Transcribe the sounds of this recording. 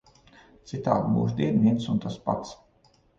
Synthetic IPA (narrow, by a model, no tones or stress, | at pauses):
t̪sit̪aːd̪bṵːʃd̪iɛnʲiɛnsunt̪aspa̰t̪s